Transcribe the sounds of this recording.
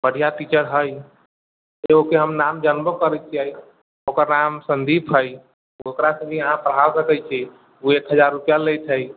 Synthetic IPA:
bəɽ̤ʱijaʈit͡ʃəɾɦəj | eokeɦəmnamd͡ʒənbokəɾɛt͡ʃʰiəj | okəɾnamsənd̪ipʰɦəj | okɾasəbiaɦãpɾəɦaɾəkɛt͡ʃʰɛ | uekɦəd͡ʒaɾːupijalejt͡ʃʰəj

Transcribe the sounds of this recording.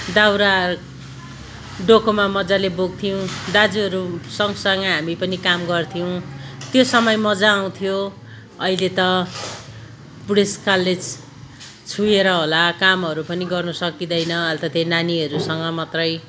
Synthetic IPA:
d̪awɾa | ɖokʰomamʌd͡zaleboɡ̚t̪ʰijõd̪ad͡zuɦʌɾusʌŋsʌŋɡʌɦamipʌnikamɡʌrt̪ʰijow̃t̪josʌmʌjmʌd͡zaːw̃t̪ʰijo | ʌilet̪ʌ | buɽeskalːed͡z | t͡sʰujeɾʌɦolakamɦʌɾupʌniɡʌrnʌsʌkid̪ʌjnʌʌlt̪ʌt̪enaniʌɾusʌŋɡʌmat̪rʌj

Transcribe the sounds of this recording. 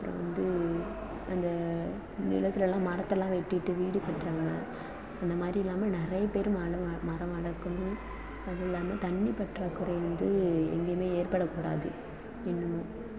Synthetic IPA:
ɐpːɯɾõ̰ːʋɐ̰nd̪ɯ | ɐ̰nd̪ɐ | nɪ̰lɐt̪ːɪlɛlãːmaɾɐt̪ːɐlːãːʋɛʈːɪʈːɯʋiːɽɯpɛʈːɾaːŋɡɐ | ɐnd̪ɐmaːd̪ɾiɪlːaːmɐnɪrɐjɐpeːɾɯmɐɭɐmɐɾɐ̃ɐɻɐkːɐɳʊ̃ | ɐðɐɪlːaːmɐt̪ɐɳːipɐʈːrɐkɯɾɐjɾɯnd̪ɯɛ̰ŋɡeːmeːeːɾpɐɽɐkːuːɽa̰ːðɯ̰ | ɪnːɯmɐ

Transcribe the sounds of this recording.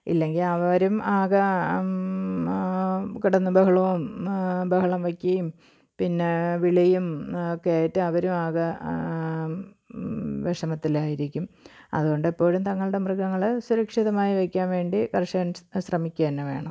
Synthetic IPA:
ḭlːe̞ŋɡilɐʋɐɾumaːɣɐ | kiɽɐnːɨbɐɦɐɭɐʋumbɐɦɐɭɐmʋɐkʲːɐjum | pinːe̞ʋiɭɐjumokːejaːjɐtːɨɐʋɐɾumaːɣɐ | ʋeʂɐmɐt̪ːilaːjiɾikʲːumɐ̰ðuɣo̞ɳɖepːo̞ːɻumt̪ɐŋːɐɭɨɽe̞mrɨɡɐŋːɐɭsuɾɐkʂiðɐmaːjiʋɐkʲːaːnʋe̞ːɳɖikɐrʂɐnɕrɐmikʲːeːnːɐʋe̞̰ːɳɐm

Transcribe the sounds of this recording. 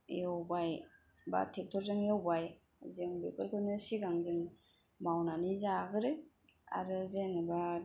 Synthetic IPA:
j̰ɔwbaj | ba̰tʰek̚tʰɔɾzɯŋjawbaj | zɯŋbekɯlkʰɯnɯsiɡaŋzɯŋ | mawnanizaɡɯɾɯ | a̰ɾɯzenɯba

